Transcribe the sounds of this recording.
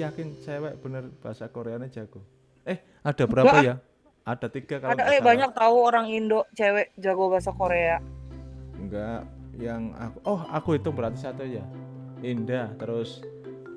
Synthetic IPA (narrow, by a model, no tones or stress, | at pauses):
jakɪnt͡ʃewɛʔb̥ənərb̥aɦasakoɾeane̥d͡ʒ̥aɡ̥o | ɛh | ad̥abəɾaapaja | ad̥a̤t̪iɡ̥a̤kaadaɛbaɲak̚t̪auoɾaŋindɔʔt͡ʃewɛʔd͡ʒaɡobaɦasakoɾea | ŋɡaʔ | jaŋa̰kuʔɔhakuit̪ʊbəɾat̪isat̪uja | indat̪əɾʊs